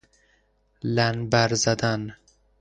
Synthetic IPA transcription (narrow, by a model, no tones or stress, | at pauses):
lænbæɾzæd̪æn